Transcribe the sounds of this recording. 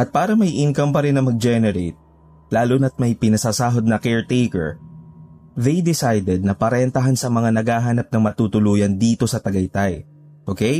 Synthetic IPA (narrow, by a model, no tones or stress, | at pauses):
ʔɐt̪̚paːɾɐmɐjʔɪnkɐmpɐɾɪnːɐmɐɡ̚d͡ʒɛnɛɾejt̪̚ | laːlʊnɐt̪̚mɐjpɪnɐsasaːɦod̪̚nɐkɛɹt̪ejkɛ̰ɹ | ðejd̪ɪsajd̪ɛd̪̚nɐpɐɾɛnt̪ɐɦansɐmɐŋanɐɡaːɦanɐp̚nɐŋmɐt̪uːt̪ʊluːjɐnd̪iːt̪o̞sɐt̪ɐɡɐjt̪aj | ʔoːkej